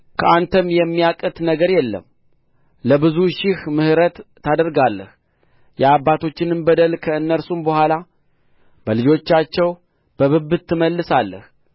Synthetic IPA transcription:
kʰəʔant̪ʰəmjɛmːijakʼɨt̪ʼnəɡəɾjɛlːə̰m | ləbɨzuʃɪhmɨhɾət̪ː | ad̪əɾɡalːə̰h | jɛabːat̪ʰo̞t͡ʃːɪnɨnbəd̪əlkʰəɨnːəɾsumbəhʷala | bəlɨd͡ʒo̞t͡ʃːat͡ʃːɛw | b̥əβɨbːɨt̪ʰːɨməlːɨsalːə̰h

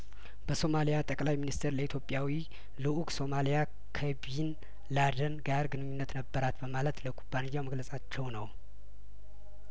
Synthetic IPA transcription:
b̥əso̞malijat̪ʼəkʼlajminist̪ʰəɾləit̪ʰjo̞pʼjawi | lɨʔukʼso̞malija | kʰəb | n | lad̪ənɡaɾɡɨnɨɲːunːət̪nəbːəɾat̪bəmalət̪ləkʰʼubːanɨjːawməɡləsʼat͡ʃːɛwnəw

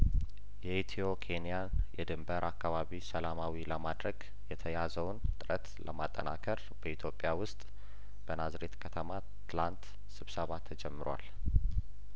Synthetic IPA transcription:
jɛhit̪ʰio̞kʰe̞nijanjɛd̪ɨmbəɾʔakːaβaβisəlamawiləmad̪ɾəɡ | jɛt̪ʰəjazəwnt̪ʼɨɾət̪ləmat̪ʼːə̰na̰kʰəɾ | bəit̪ʰjo̞pʼːjawʊst̪ʼ | b̥ənazɾe̞t̪kʰət̪ʰəma | t̪ɨlant̪ | sɨβsəβat̪ʰːəd͡ʒɛmːɨɾwa̰l

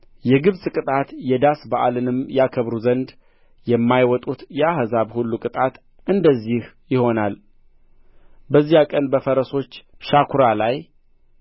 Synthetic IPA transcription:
jɛɡɨβsʼkʼɨt̪ʼat̪jɛd̪asbaʔalɨnɨmjakʰəβɾuzənd̪ | jɛmːajwɔt̪ʼut̪jɛahzaβhulːukʼɨt̪ʼat̪ | ɨnd̪əzːih | jɪho̞nal | bəzːijakʼənbəfəɾəso̞t͡ʃːʃakʰuɾalaj

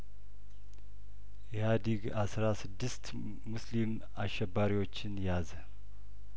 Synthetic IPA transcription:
jɛhad̪iɡasɾasɨd̪ːɨst̪ | muslim | aʃːɛbːaɾiwo̞t͡ʃːɪnjaz

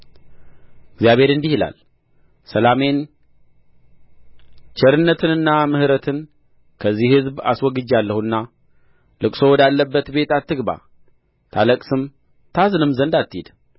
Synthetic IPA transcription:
ɨɡzjaβe̞ɾɨnd̪ihila̰l | səlame̞n | t͡ʃʰɛɾɨnːət̪ʰɨnɨnːamɨhɨɾət̪ʰɨn | kʰəzːihhɨzba̰swɔɡɨd͡ʒalːəhuɨnːa | lɨkʼso̞wɔd̪alːəbːət̪be̞t̪at̪ːɨɡba̰ | t̪ʰaləkʼsɨm | t̪ʰazɨnɨmzənd̪at̪ʰːid̪̥

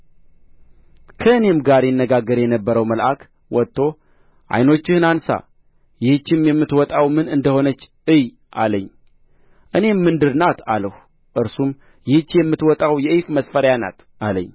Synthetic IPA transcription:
kʰəɨne̞mɡaɾjɛnːəɡaɡːəɾjɛnəbːəɾəwməlʔak | wɔt̪ʰːo̞ | ʔa̰jno̞t͡ʃːɪhɨnansa̰ | jɪhɨt͡ʃːɪmjɛmːɨt̪wɔt̪ʼawmɨnɨnd̪əho̞nət͡ʃː | ɨj | ʔa̰ləɲː | ʔɨne̞mːɨnd̪ɨɾnat̪ʰaləh | ʔɨɾsum | jɪhɨt͡ʃːjɛmːɨt̪wɔt̪ʼawjɛʔɨfməsfəɾjana̰t̪ | aləɲː

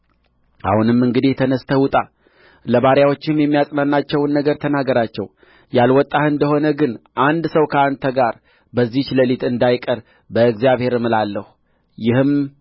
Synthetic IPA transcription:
ʔa̰hunɨmɨŋɡɨd̪it̪ʰənəst̪ʰəwʊt̪ʼa | ləβaɾjawo̞t͡ʃːɪmjɛmːijasʼnanːat͡ʃːɛwnːəɡəɾt̪ʰənaɡəɾat͡ʃːɛ̰w | jalwɔt̪ʼːahɨnd̪əho̞nəɡɨnʔand̪səwkʰəand̪t̪ʰəɡaɾ | bəzːit͡ʃləlit̪ɨnd̪ajkʼəɾ | bəɨɡzijaβhe̞ɾmɨlalːəhu | jɪhɨm

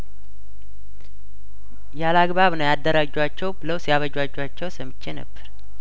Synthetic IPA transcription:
jalaɡβaβnəwjad̪ːəɾad͡ʒwat͡ʃːɛwbɨləwsjaβəd͡ʒwad͡ʒwat͡ʃːɛwsəmɨt͡ʃːenə̰bːəɾ

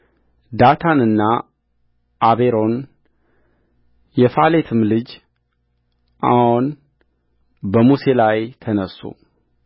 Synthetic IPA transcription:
d̪at̪ʰanɨnːa | ʔːβeɾo̞n | jɛfale̞t̪ʰɨmlɨd͡ʒ | ʔa̰hon | bəmuse̞lajt̪ʰənəsːṵ

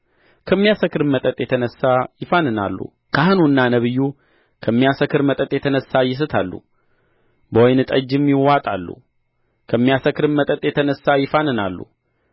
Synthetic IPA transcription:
kʰəmːijasəkɾɨmmət̪ʼət̪ʼjɛt̪ʰənəsːajɪfanɨna̰lːṵ | kʰahɨnuɨnːanəβɨjːu | kʰəmːijasəkɨɾmət̪ʼət̪ʼjɛt̪ʰənəsːajɪs̬ɨt̪ʰalːṵ | bəwojnɨt̪ʼəd͡ʒːɪmjɪwat̪ʼa̰lːṵ | kʰəmːijasəkɾɨnmət̪ʼət̪ʼjɛt̪ʰənəsːajɪfanɨnalːṵ

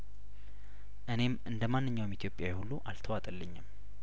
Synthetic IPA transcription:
ʔɨne̞mʔɨnd̪əmanːɨɲːawmit̪ʰjo̞pʼjawjɛhulːuʔalt̪ʰəwat̪ʼəlːəɲːɪm

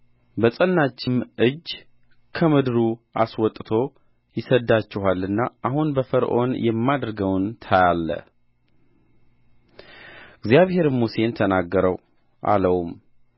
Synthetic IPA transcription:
bəsʼənːat͡ʃːɪmʔɨd͡ʒː | kʰəmɨd̪ɨɾuʔaswɔt̪ʼːt̪ʰo̞ | jɪsəd̪ːat͡ʃːɪhalːɨnːaʔahunbəfəɾʔo̞njɛmːad̪ɾɨɡəwnt̪ʰajalːə̰ | ɨɡzjaβhe̞ɾmuse̞nt̪ʰənaɡːəɾəw | ʔa̰ləwum

